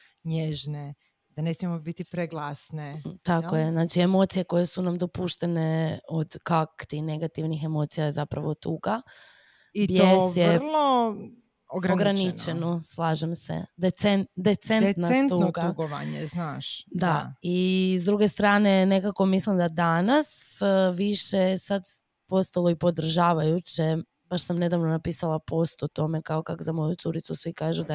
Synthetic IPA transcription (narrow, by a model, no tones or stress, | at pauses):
ɲeʒne | d̪anesmiemobit̪ipɾeɡlˠasnet̪akojeznaːt͡ʃiemo̞t̪sije̞ko̞jesunamd̪o̞puʃt̪e̞neod̪kakt̪ine̞ɡat̪iʋnixe̞mo̞ːt̪sijajezapɾa̰ʋo̞t̪uɡa | ibjeosjelˠo | oɡɾaoɡɾanit͡ʃenoslˠaːʒemsḛd̪et̪sent̪d̪et̪sennaent̪unːoɡauɡoʋa̰ɲeznaːʃd̪aizd̪ɾuɡest̪ɾaːne̞ne̞kako̞mislimd̪ad̪anasʋiʃesad̪ | po̞st̪alo̞ipo̞d̪r̩ʒaːʋajut͡ɕe | baʃsamne̞d̪aʋnonapiːsalˠapo̞st̪ot̪o̞mekaokakozamo̞jut̪suɾit̪susʋikaːʒud̪a